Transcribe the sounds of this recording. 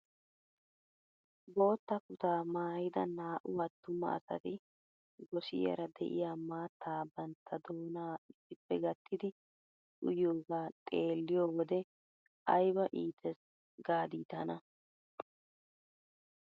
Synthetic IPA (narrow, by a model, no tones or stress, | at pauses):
bo̞ːt̪ːɐkʊt̪aːmaːjɪd̪ɐnaːʔʊwɐt̪ːʊmɐ̰ɐ̰sɐ̰t̪ɪ | ɡɔsɪ̰jɛ̰ɾɐd̪ɛ̰ʔɪ̰jaːmaːt̪ʰːaːbɐnt̪ʰːɐd̪oːnaːɪsːɪpːɛɡɐt̪ːɪd̪ɪ | ʔʊjoːɡaːt̪ʼe̞ːlːɪjoːwɔd̪ɛ | ʔɐjbɐʔiːt̪ʰɛs | ɡaːd̪iːt̪ɐnɐ